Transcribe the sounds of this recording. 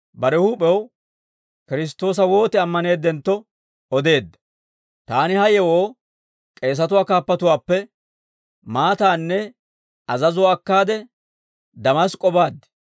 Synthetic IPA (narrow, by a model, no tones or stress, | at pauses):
bɐɾɛhupʼɛw | kɪɾɪs̬t̪ːo̞ːs̬ɐwo̞ːt̪ɪɐmːɐne̞ːd̪ːɛnt̪ːɔ | ɔd̪e̞ːd̪ːɐ̥ | t̪aːnɪhɐjɛwoː | kʼe̞ːs̬ɐt̪ʊwaːkaːpːɐt̪ʊwaːpːɛ | maːt̪aːnːɛ | ɐzɐzʊwaːkːaːd̪ɛ | d̪ɐmɐskʼɔbaːd̪ːɛ̥